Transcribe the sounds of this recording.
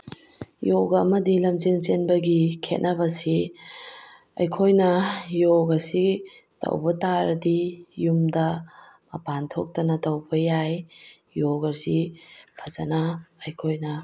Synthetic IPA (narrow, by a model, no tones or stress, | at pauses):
joɡɐmɐdilɐmt͡ʃint͡ʃenbɐɡikʰḛt̚nʔɐbɐsi | ɐ̰jkʰojnɐjoɡɐsitɐ̰wbɐtaɾɐdijumdɐ | mɐpantʰok̚tɐnɐtɐwbɐjaj | joɡɐɾsipʰɐzɐnɐɐjkʰojnɐ